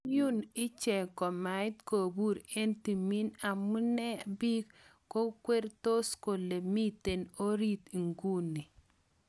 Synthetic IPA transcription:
ju˦nɪ˦t͡ʃɛ˨kɔ˨ma˨ɪ˦tko˨bu˦ɾe˦nti˨mi˦na˨mu˦nɛ˦bi˦kko˦kwe˦ɾto˦sko˨le˨mi˦te˨no˦ɾi˦t̪i˨ŋɡu˦ni˨

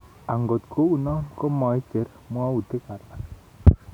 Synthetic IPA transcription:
a˨ŋɡo˨t̪kʰo˦u˨nɔ˦mko˦mɔ˨ɪ˦t͡ʃe˨˦ɾ | mwa˦u˨te˦ka˨ɾma˨

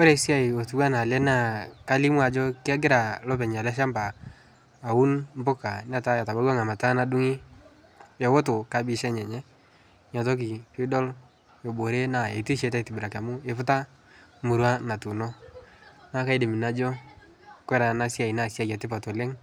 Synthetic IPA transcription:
o˦ɾe˨˦sja˦˨i˨o˨tu˨˦wa˦na˨lɛ˦na˨ka˦li˦m˦a˨d͡ʒɔ˦kɪ˦a˦ɡɪ˦ɾa˨lɔ˦pɛ˨ɲa˨lɛ˦ʃ̬a˦mbaː˨ | u˦nm˦bʊ˦ka˨n˦a˦ta˦ja˨ta˨ba˦wa˦ŋa˨ma˨ta˦na˦du˦ŋi˦ | jɛ˨wo˦to˨ka˨bɪ˦ʃɛ˦ɲɛ˨ɲɛ˦ | ɲa˨tɔ˦k̬i˨pɪ˦dɔ˦l | jo˨bo˨ɾe˦na˨e˨ti˦ʃe˨˧ta˦tɪ˨bu˨ɾa˨ka˨mʊ˦e˨fʊ˦ta˦ | mu˨ɾwa˦na˨tu˨nɔ˦ | na˦ka˦i˦dɪ˨mɪ˨na˦d͡ʒɔ˦ | kwɛ˦ɾa˨na˦sja˨i˨na˦sja˦˨kɛ˨tɪ˦pa˨to˨le˦ŋ

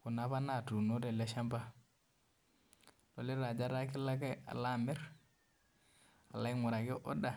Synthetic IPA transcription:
ku˨na˨˦βa˦na˨tu˨no˦ɾe˨le˦ʃa˦mba˦ | no˨le˦ɾa˨d͡ʒa˦ɾa˦ki˦la˦ke˦a̰˨la˦me˦ɾ | a˨la˦i˦ŋu˨ɾa˨ki˦ʔo̰˦da˨

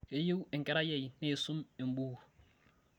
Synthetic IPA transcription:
e˦je˦wɪ˨ŋ̩˨kɛ˦ɾa˦jɛ˨jne˦˨su˦me˨m˦bu˦˨

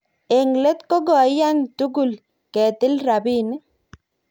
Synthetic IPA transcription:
e˨ŋle˦t̪ko˦ɡɔ˨˦ja˦ŋtu˦ɡʊ˨l | kɛ˨t̪ɪ˦lɾa˨bi˦ni˦

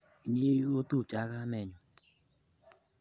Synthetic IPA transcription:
i˨ɲe˦o˦tu˦˨t͡ʃa˨˦ɣa˦me˨ɲʊ˨

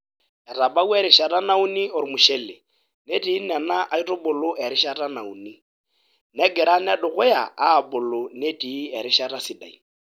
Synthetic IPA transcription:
ɛ˨ra˨ba˦u˦ɛ˦ɾɪ˦ʃa˨ra˦na˦u˦ni˦ʊ˨ɾɪ˨mʊ˨ʃɛ˦lɪ˨ | ne˦tʼiː˨˦na˨na˦ʔa˦i˦tʼʊ˦bʊ˨lʊ˦ʔɛ˨ɾɪ˦ʃa˦ra˦na˨ṵ˨ni˦ | nɛ˦ɡɛ˨ɾa˦nɪ˦a˦dʊ˨ɣʊ˦ja̰˨ʔaː˦˨bʊ˨lʊ˨ne˦tʼi˨˦ɛ˨ɾɪ˦ʃa˦ra˦si˨da̰˨ḭ˨

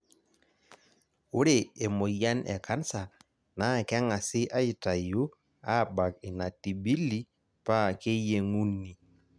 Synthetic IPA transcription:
ʊ˦ɾe˨e˨mo˨ja˦nʔɛ̰˨ka˦nsa˨ | na˨˦˨kɛ˦ŋa˨sɪ˦ʔa˦ɪ˨ta˨ju˦ | a˦˨ba˨kɪ˨na˨ti˨bi˦li˦ | pa˦˨ke˦je˦ŋu˦nːi˨

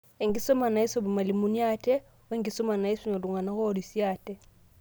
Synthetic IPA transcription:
ɛ˨ŋɡi˦sɔ˦ma˨na˨i˦sɔ˦˨bu˨ma˨li˨mu˨ni˦a˦˨tɛ˦ | wɛ˦ŋɡi˨sɔ˦ma˨na˨i˦su˦ɲɔ˨du˨ŋa˨na˦ɣɔ˦˨di˨si˦a˦˨tɛ˦

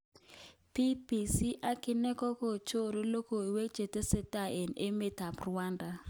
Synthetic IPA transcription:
pi˦pi˨si˦ʔa˦kɪ˦nɛ˦kɔ˦ko˦˨t͡ʃo˦˨ɾi˦lo˦ko˨i˨we˦k̚t͡ʃe˨te˦sɛ˦ta˨e˨ne˦me˨ta˨prwa˦nda˨

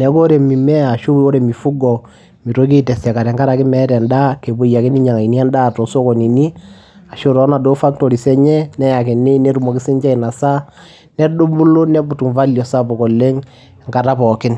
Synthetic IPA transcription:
nɛ˨˦ko˦ɾe˨mi˨mɛ˦a˨ʃu˦wo˦ɾe˨mi˨fu˦ɡɔ˨ | mi˨to˦k̬i˦˨tɛ˨sɛ˨ka˨ɾɛ˨ŋɡa˦ɾa˨kɪ˦mɛ˦ɾɛ˨nda˦ke˨bu˨˦ja˨kɪ˦ni˦ɲa˨ŋa˨i˨ni˦a˦nda˦˨tɔ˨so˦kɔ˨ni˨ni˦ | a˨ʃo˦ɾɔ˨˦na˨do˦fa˦k̚to˨ɾi˨sɛ˦ɲɛ˦nɛ˦ja˨kɪ˨nɪ˦ne˦ɾu˦mɔ˨kɪ˦sɪ˦nt͡ʃa˦i˨na˨sa˦ | nɛ˦do˦mbu˦lo˦nɛ˦bʊ˨tu˨ɱfa˦ljɔ˨sa˦pɔ˨kɔ˨le˦ŋ | ŋka˨ta˦pɔ˨kɪ˦n

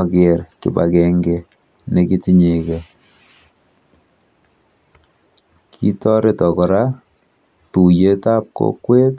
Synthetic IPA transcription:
ke˨rkḭ˨ba̰˨kɛ˨ŋɡe˨ | ne˨ki˦ti˨ɲe˨ke˨ | kʰḭ˦tɔ˦ɾe˨tɔ˨kɔ˨ɾa˦ | tu˨je˦ta˦p̚ko̰˦kːwe˦t

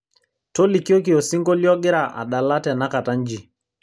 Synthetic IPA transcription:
to˦li˨ki˦o˦k̬i˨o˨si˦ŋɡo˦li˦ɔ˦ɡɪ˦ɾa˨ʔa̰˨ɗa˨la˦tɛ˨na˦ka˨ta˦ɲ˦d͡ʒi˨

